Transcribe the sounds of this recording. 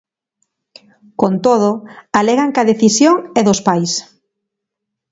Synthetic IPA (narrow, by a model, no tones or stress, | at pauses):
kont̪oð̞oalɛɣaŋkaðeθisjoŋɛðospajs